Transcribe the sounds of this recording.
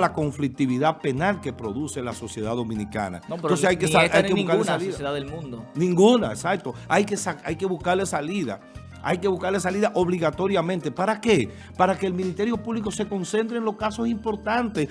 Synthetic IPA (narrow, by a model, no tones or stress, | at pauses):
lako̞ɱflik̚t̪iβiðape̞nalke̞pɾo̞ðuse̞laso̞sje̞ðaðo̞mĩnika̰na̰notpeɾoseajkeaajkeukaunaliðsjeðaðelmũnd̪onĩŋɡunaesak̚t̪o̞ajkesaajke̞βuskaɾle̞saliða̰ | a̰jke̞βuskaɾle̞s̬aliðaʔo̞βliɣat̪o̞ɾjamẽnt̪e̞paɾake̞ | paɾake̞ːlmĩnist̪e̞ɾjo̞puβliko̞se̞ko̞nse̞nt̪ɾeŋloskaso̞simpo̞ɾt̪ant̪es